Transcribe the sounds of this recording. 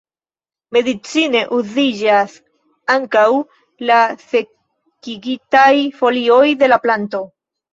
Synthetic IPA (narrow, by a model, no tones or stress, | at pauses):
me̞dit͡sine̞ʔuzid͡ʒas | aŋkaw | lase̞ | kiɡitajfo̞lio̞jde̞laplanto̞